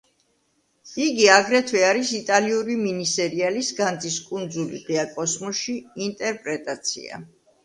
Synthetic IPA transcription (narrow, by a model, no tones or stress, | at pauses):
iɡiaɡɾɛt̪ʰvwɛaɾisit̪ʼaliuɾiminisɛɾialisɡand̪ziskʼund̪zulḭʁiakʼɔsmɔʃiːnt̪ʼɛɾpʼɾɛt̪ʼat̪sʰḭa̰